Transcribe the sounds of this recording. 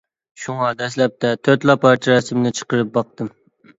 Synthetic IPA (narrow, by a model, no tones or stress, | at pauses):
ʃuŋɑd̪ɛslɛp̚t̪ʰɛt̪ʰøɾt̪lˠɑpʰɑɾt̪ʰiɾɛsɨmnɨt͡ʃʰə̥qəɾɨp̚bɑq̚t̪ɨm